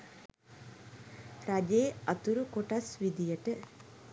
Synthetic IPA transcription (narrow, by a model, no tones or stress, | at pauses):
ɾɐd͡ʒeːɐt̪uɾukoʈɐsʋid̪ijɐʈɨ